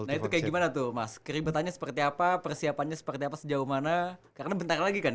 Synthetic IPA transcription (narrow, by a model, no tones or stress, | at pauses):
nahit̪ukajaɡimanat̪ʊhmaskəɾibat̪anɲasə̥pərt̪iapapərsiapanɲasə̥pərt̪iapasəd͡ʒauhmanakaɾənabənt̪aralaɡikan